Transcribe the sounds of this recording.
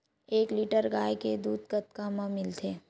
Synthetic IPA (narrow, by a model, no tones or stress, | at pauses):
eːkliʈəɾɡaːjked̪uːd̪kət̪kamamɪlt̪ʰeː